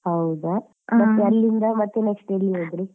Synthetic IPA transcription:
hɐwd̪a | mɐt̪ːeɐlːind̪ɐmɐt̪ːenekʂʈɐlːiɦoːd̪ɾi

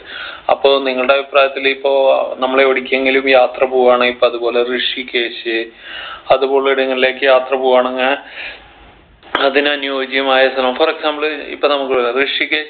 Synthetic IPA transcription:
ɐ̰pːo̞ːniŋːɐɭuɽe̞ɐbʱipraːjɐt̪ːilipːo̞ːnɐmːɐɭeoɽikʲːeŋɡilumjaːt̪rɐbuːʋaːɳɨipːoɐðubo̞ːle̞rɨʂike̞ːɕɨ | ɐðubo̞ːɭiɽɐŋːɐlile̞ːkːɨjaːt̪rɐbuːʋaːɳeŋːa | ɐðinɐnjoːd͡ʑjɐmaːjɐst̪ʰɐlɐmforeksaːmbɐllḭpːonɐmukːɨlrɨʂike̞ː

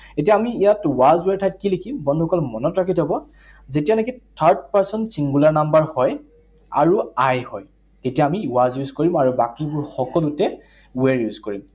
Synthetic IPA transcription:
etijaːmiːjatwazweɹtʰajt̚kilikimbɔndʱukɔlmɔnɔtɹakʰitʰabɔ | zetijanekitʰaɹt̚paɹsɔntsiŋɡulaɹnambaɹhɔj | a̰ɹuajhɔj | tetijaːmiwazjuzkoɹimaɹubakibʊɹxɔkɔlutɛ | weɹjuzkoɹim

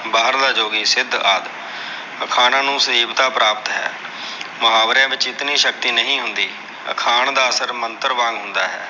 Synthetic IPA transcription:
baːɦəɾd̪aːd͡ʒoːɡiːsɪd̪ʱaːd̪ | əkʰaːnãːnũːsəiːbt̪aːpɾaːpət̪ɦɛ̰ː | mʊɦaːʋɾjãːʋɪt͡ʃɪt̪niːʃək̚t̪iːnəɦĩːɦʊnd̪iː | ə̰kʰaːɳd̪aːəsəɾmənt̪əɾʋãːŋɡɦʊnd̪aːɦɛː

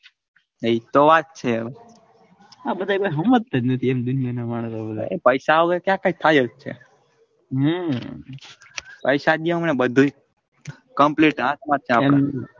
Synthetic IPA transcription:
əit̪oʋat̪̚t͡ʃʰeəʋ | abəd̪ʱakojɦəmːət̪ːəd͡ʒnət̪ʰiemd̪unijanamaɽ̃sobəd̪̰epəjʃaʋɡekjãkajt̪ʰajəd͡ʒt͡ʃʰḛ | ɦə | pəjʃaɗiəɦmnebəd̪ʱu | kəmpleʈãt̪mãt̪ʰiãe

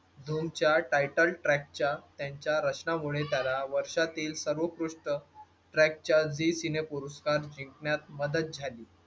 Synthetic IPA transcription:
d̪ʱomt͡ɕjaʈajʈəlʈɾæk̚t͡ɕjat̪jãɲt͡ɕjaɾət͡ɕnamuɭet̪jalaʋəɾʂat̪iːlsəɾʋəkɾuʂʈə | ʈɾæk̚t͡ɕjad͡zisinepuɾuskaɾd͡ʑiŋkɳjat̪̚məd̪ət̪̚d͡zʱaliː

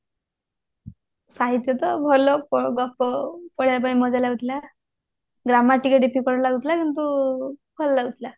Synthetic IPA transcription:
saɦit̪jɔt̪ɔbʱɔlɔpɔɡɔfɔpɔɽjap̬aĩmɔd͡zajlaɡut̪la | ɡɾamaʈikeɖepikɔɾlaɡʱut̪lakint̪ub̥ʱɔllaɡut̪la

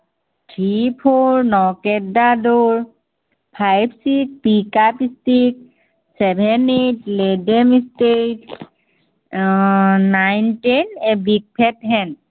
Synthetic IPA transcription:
tʰipʰoɹnɔkɛdadɔɹ | pʰajbsik̚pikapistik̚ | sɛbʱɛnetledemistet | najntenebik̚pʰɛtɦɛn

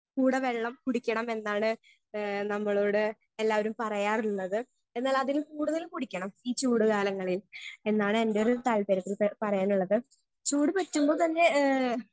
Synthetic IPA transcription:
kuːɽɐʋe̞ɭːɐmkuɽikʲːɐɳɐme̞nːaːɳɨ | nɐmːɐɭo̞ːɽɨ | e̞lːaːʋɐɾumpɐrɐjaːruɭːɐðɨ | e̞nːaːlɐðilumkuːɽuðɐlumkuɽikʲːɐɳɐmiːt͡ɕuːɽɨkaːlɐŋːɐɭile̞nːaːɳɨendeoɾut̪alpeɾɐt̪ːilpɐrɐjaːnuɭːɐðɨ | t͡ɕuːɽɨpɐtːumbo̞ːt̪ɐnːe̞

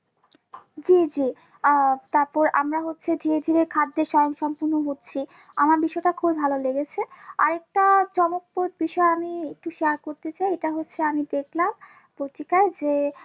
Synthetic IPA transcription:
d͡ʑid͡ʑi | t̪aɾpɔɾa̰mɾaɦotːɕʰed̪ʱiɾed̪ʱiɾekʰad̪ːeɾʃɔjoŋʃɔmpuɾnoɦott͡ɕʰi | amaɾbiʃɔeʈakʰubibʱaloleɡet͡ɕʰea̰ɾek̚ʈat͡ɕɔmok̚pot̪̚biʃɔeamiek̚ʈuʃeaɾkoɾt̪et͡ɕaieʈaɦotːɕʰeamid̪ekʰlam | pot̪ikaed͡ʑe

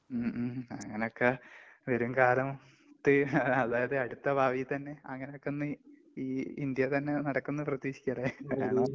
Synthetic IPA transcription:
mɐŋːɐneo̞kːeʋɐɾumkaːlɐm | t̪ːɨɐðaːjɐðɨɐɽut̪ːɐbʱaːʋit̪ɐnːe̞ɐŋːɐneo̞kːenːɨ | iːind̪jɐt̪ɐnːe̞nɐɽɐkːunːɨprɐt̪ːiːɕi̥kʲːɐreaːɳɐ

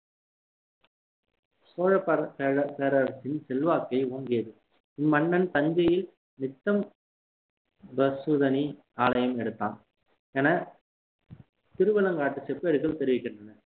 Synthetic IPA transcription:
soːɻɐpɐpeːɾɐɾsɪnsɛlʋaːkɐɪoːŋɡɪjɐðɯ | ɪmːɐɳːɐnt̪ɐɲd͡ʒɐjɪl | nɪt̪ːɐm | bɐsuːðɐni | aːlɐjɐmɛɽɯt̪ːa̰ːn | ɛːnɐ | t̪ɪɾɯʋɐlɐŋɡaːʈːɯsɛpːeːɾɯɣɐɭt̪ɛɾɪʋɪkːɪɳdrɐnɐ

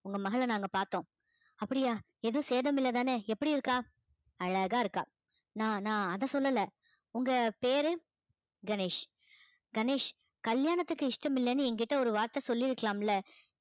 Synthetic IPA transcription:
ʊŋɡɐmɐɣɐɭɐnaːŋɡɐpaːɾt̪ːõː | ɐpːɐɽɪjaː | ɛðɯ̃seːðɐmɪlːɐt̪aːneːɛpːɐɽiɪɾɯkːaː | ɐɻɐɣaːɪɾɯkːa̰ː | nãːnãːɐðãːsɔlːɐlɐ | ʊŋɡɐpeːɾɯ | ɡɐneːʂ | ɡɐneːʂ | kɐljaːnɐt̪ːɯkːɯɪʂʈɐmɪlːɛnːɯɛŋɡɐɪʈːɐɔɾɯʋaːɾt̪ɐsɔlːiɪɾɯkːɐɭaːmɪlːɐ

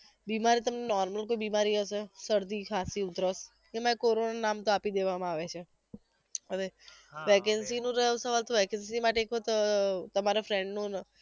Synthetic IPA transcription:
bimaɾit̪əmnenɔɾməlkoibimaɾiɦəʃesəɾd̪ikʰasiʊd̪ʱɾəs | kemaekoɾonanamt̪oapid̪eʋamãaʋet͡ʃʰe | əʋeʋɛkɛnsinũɾəɦusəʋalt̪oʋɛkənsimaʈeːkʰot̪t̪əmaɾafɾɛɳɖnũn

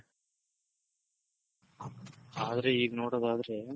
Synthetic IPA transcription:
aːðɐɾeiːɡɐnoːɽɐðaːðɾe

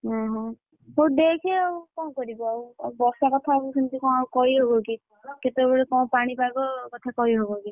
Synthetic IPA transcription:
ɦɔ̃ɦɔ̃ | ɦod̪ekʰeɔukɔ̃w̃kɔɾibɔaubɔsakɔt̪ʰaɔbusʰunt̪ikɔ̃w̃aukɔɾiɦobɔki | ket̪ebɔɽekɔ̃w̃paɽ̃ipabɔkɔt̪ʰakɔɾiɦobɔki

